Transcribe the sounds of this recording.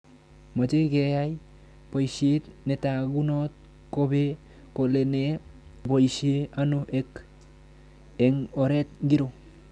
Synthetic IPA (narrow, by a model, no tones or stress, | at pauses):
məd͡ʒeɡejaj | pəjsietnetaɡunot̪̚ | kobe | kolenebojsieanoʔek | eŋoɾet̪̚ɡiɾo